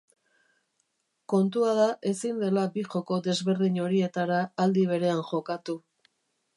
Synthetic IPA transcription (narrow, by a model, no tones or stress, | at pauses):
ko̞nt̪uaðaʔe̞sind̪e̞labiʝo̞ko̞ðe̞zβe̞ɾðiɲo̞ɾie̞t̪aɾaːld̪iβ̞e̞ɾe̞anʝo̞kat̪u